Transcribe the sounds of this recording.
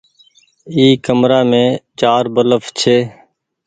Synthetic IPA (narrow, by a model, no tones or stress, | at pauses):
iːkəmɾaːmẽːt͡ʃaːɾbələft͡ʃʰeː